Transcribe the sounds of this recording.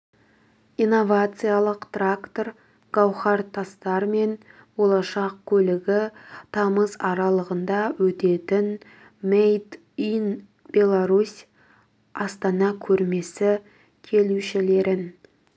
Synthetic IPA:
ijno̞vat̪sɨjalˠəqt̪rakt̪o̞r | ɡ̥ɑwχɑɾt̪ʰɑst̪ɑɾme̞n | bo̞lˠɑʃɑqkʲʰɵlɪɡʲɪt̪ʰɑməzɑɾɑlˠəʁənd̪ɑwɵt̪e̞t̪ɪn | mejd̪ | in | b̥ʲe̞lˠaɾusʲ | ɑst̪ɑnɑkʲʰɵɾme̞sɪ | kʲʰe̞luʃɪle̞ɾɪn

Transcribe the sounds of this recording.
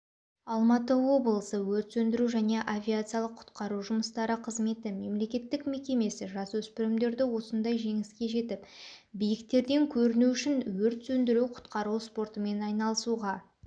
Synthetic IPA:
ɑlˠmɑt̪əwo̞blˠəsəwɵɾt̪sɵnd̪ɪɾuʒæne̞ʔavʲijat̪sɨjalˠəqʰːʊ̥t̪qɑɾuʒʊməst̪ɑɾəqʰəzme̞t̪ɪme̞mle̞kʲe̞t̪ːɪkme̞kʲe̞me̞sɪʒɑswɵspɪɾɪmd̪e̞ɾd̪ɪwo̞sənd̪ɑjʒe̞ŋɪskʲe̞ʒe̞t̪ɪpbijɪkt̪e̞ɾd̪e̞ŋkʲʰɵɾɪnuʏʃɪnwɵɾt̪sɵnd̪ɪɾuwqʰʊ̥t̪qɑɾuwspo̞rt̪əme̞nɑjnɑlˠəsuʁɑ

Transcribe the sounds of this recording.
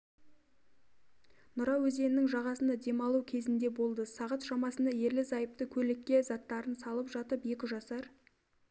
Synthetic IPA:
nʊɾɑwɵze̞nɪnɪŋʒɑʁɑsənd̪ɑd̪e̞mɑlˠukʲʰe̞zɪnd̪e̞bo̞lˠd̪əsɑʁət̪ʃɑmɑsənd̪ɑje̞ɾlɪzɑjəp̚t̪əkʲʰɵlɪkʲːe̞zɑt̪ːɑɾənsɑlˠəpʒɑt̪əpje̞kʲɪʒɑsɑɾ

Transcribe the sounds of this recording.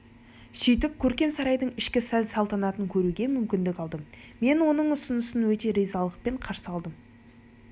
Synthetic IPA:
sʏjt̪ɪp̚kʲʰɵɾkʲe̞msɑɾɑjd̪əɴɪʃkʲɪsælsɑlˠt̪ɑnɑt̪əŋkʲʰɵɾuɡʲe̞mʏmkʲɪnd̪ɪkʲɑlˠd̪əm | me̞nwo̞nəɴʊsʊnəsənwɵt̪e̞ɾijzɑlˠəq̚pe̞ɴqʰɑɾsəɑlˠd̪əm

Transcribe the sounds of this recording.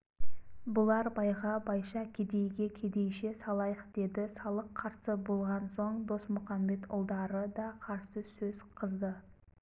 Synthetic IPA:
bʊlˠɑɾbɑjʁɑbɑjʃɑkʲʰed̪e̞jɡʲe̞kʲʰe̞d̪e̞jʃe̞sɑlˠɑjəq̚d̪̥e̞d̪ɪsɑlˠəqʰːɑɾsəbo̞lˠʁɑnso̞ɴd̪o̞smʊχɑmbe̞t̪ʊ̰lˠd̪ɑɾəd̪ɑqʰɑɾsəsɵz̥qʰəzd̪ə

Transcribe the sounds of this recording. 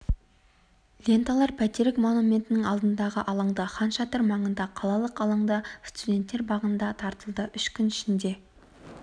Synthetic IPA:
lʲe̞nt̪ɑlˠɑɾpʰæt̪eɾɪkmo̞numʲe̞nt̪ɪnɪŋɑlˠd̪ənd̪ɑʁəʔɑlˠɑɴd̪ɑχɑnʃɑt̪ʰɪɾmɑɴənd̪ɑqʰɑlˠɑlˠəqɑlˠɑɴd̪ɑst̪ud̪ʲe̞nt̪ːeɾbɑʁənd̪ɑt̪ʰɑɾt̪əlˠd̪əʔʏʃkʲʏnɪʃɪnd̪e̞

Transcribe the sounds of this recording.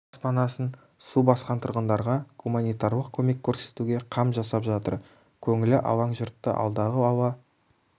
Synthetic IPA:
spɑnɑsən | subɑsqɑnt̪ʰʊɾʁənd̪ɑɾʁɑɡumanijt̪aɾlˠəq̚kʲʰɵme̞kʲʰːɵɾse̞t̪uɡʲe̞qʰɑmʒɑsɑpʒɑt̪ə̰ɾ | kʲʰɵŋɪlɪʔɑ̰wɑɴʒʊɾt̪ːə̰ʔɑ̰lˠd̪ɑʁəɑwɑ

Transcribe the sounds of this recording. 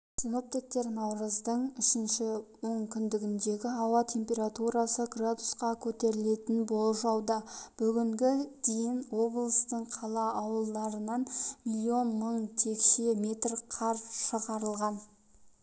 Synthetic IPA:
sʲino̞p̚t̪ik̚t̪e̞ɾnɑwɾəzd̪əɴʏʃɪnʃɪwo̞ɴkʲʰʏnd̪ɪɡʲɪnd̪e̞ɡʲɪɑwɑt̪ʲʰe̞mpʲe̞ɾat̪uɾɑsəɡrad̪usqɑkʲʰɵt̪e̞ɾɪle̞t̪ɪnbo̞lˠʒɑwd̪ɑb̥ʏɡʲɪŋɡʲɪd̪̥ejɪnwo̞blˠəst̪əɴqʰɑlˠɑːwəlˠd̪ɑɾənɑnmʲilʲio̞nməɴt̪ʲʰe̞kʃemʲe̞t̪rqʰɑɾʃəʁɑɾəlˠʁɑn

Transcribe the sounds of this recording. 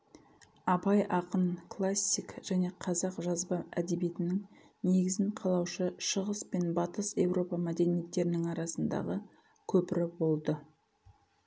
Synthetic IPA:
ɑbɑjʔɑqənklˠasʲːikʒ̥æne̞qʰɑzɑqʒɑzbɑæd̪e̞bije̞t̪ɪnɪŋ | ne̞ɡʲɪzɪɴqʰɑlˠɑwʃəʃəʁəspe̞nbɑt̪əse̞wɾʔo̞pɑmæd̪e̞nije̞t̪ːe̞ɾɪnɪŋɑɾɑsənd̪ɑ̰ʁə | kʲʰɵpɪɾɪbo̞lˠd̪ə

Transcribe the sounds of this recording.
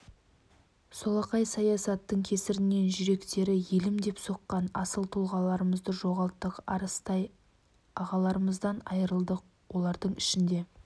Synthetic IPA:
so̞lˠɑqɑjsɑjɑsɑt̪ːəɴkʲʰe̞sɪɾɪne̞nʒʏɾe̞kt̪e̞ɾɪje̞lɪmd̪e̞pso̞qːɑnɑsəlˠt̪ʰulˠʁɑlˠɑɾəməzd̪əʒo̞ʁɑlˠt̪ːəqɑ̰ɾəst̪ɑj | ɑʁɑlˠɑɾəməzd̪ɑnɑ̰jəɾəlˠd̪əq̚ | wʔo̞lˠɑɾd̪əɴɪʃɪnd̪e̞

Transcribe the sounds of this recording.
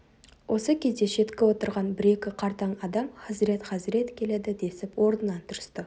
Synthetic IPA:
wʔo̞səkʲʰe̞zd̪e̞ʃe̞t̪kʲɪwo̞t̪əɾʁɑnbɪɾe̞kʲɪqʰɑɾt̪ɑɴɑd̪ɑmχɑzɾe̞t̪χɑzɪɾe̞t̪kʲʰe̞le̞d̪ɪd̪e̞sɪpwo̞ɾnənɑnt̪ʰʊɾəst̪ə

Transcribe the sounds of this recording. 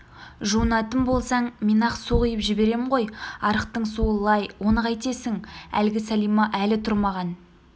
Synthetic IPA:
ʒuənɑt̪əmbo̞lˠsɑɴmenɑqsuʁijəpʒɪbe̞ɾe̞mɪɴʁo̞jɑɾəqt̪əɴsuəlˠɑjwo̞nəqɑjt̪e̞sɪŋæ̰lɡʲɪsælijmɑʔælɪt̪ʰʊɾmɑʁɑn

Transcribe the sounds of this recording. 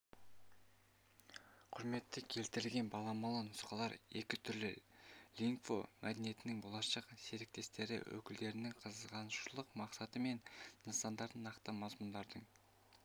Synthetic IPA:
qʰʊɾme̞t̪ːɪkʲʰe̞lt̪ɪɾɪlɡʲe̞nbɑlˠɑmɑlˠɑnʊsqɑlˠɑɾe̞kʲɪt̪ʰʏɾlɪ̰lʲiŋkfo̰mʔæd̪enije̞t̪ɪnɪŋbolˠɑʃɑqseɾɪk̚t̪e̞st̪e̞ɾɪ̰wʔɵ̰kʲɪld̪e̞ɾɪnɪŋqʰəzəzʁɑnʃulˠəqmɑqsɑt̪əme̞nːəsɑnd̪ɑɾd̪ənɑqt̪əmɑzmʊnd̪ɑɾd̪əɴ

